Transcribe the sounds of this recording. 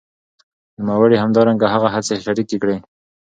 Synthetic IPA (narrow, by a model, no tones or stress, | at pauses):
numawəɽihamd̪ɑɾaŋɡaɦaɣaɦat͡seʃaɾikekɽe